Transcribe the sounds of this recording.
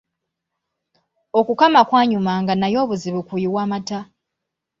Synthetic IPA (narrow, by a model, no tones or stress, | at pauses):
o̞kukamakwaːɲumaŋɡanajo̞ːβuziβukujiβwaːmata